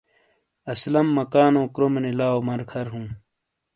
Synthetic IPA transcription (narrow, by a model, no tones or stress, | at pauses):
ɐslɐmːɐkaːnõːkɾomenelaːomɐɾkʰɐɾɦũː